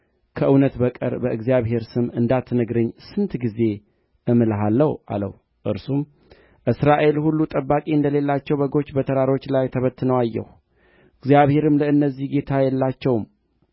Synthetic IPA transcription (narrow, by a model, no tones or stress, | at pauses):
kʰəʔɨwnət̪bəkʼə̰ɾbəʔɨɡzijaβɦe̞ɾsɨmɨnd̪at̪ʰːnəɡɾəɲːsɨnt̪ɡize̞ | ʔɨmɨlɦalːəwa̰lə̰h | ʔɨ̰ɾsum | ʔɨsɾaʔe̞lhulːut̪ʼəbːakʼiɨnd̪əle̞lːat͡ʃːɛwbəɡo̞t͡ʃːbət̪ʰəɾaɾo̞t͡ʃːlajt̪ʰəβət̪ʰːɨnəwajːɛ̰h | ɨɡzijaβhe̞ɾɨmləɨnːəzːihɡe̞t̪ʰajɛlːat͡ʃːɛwm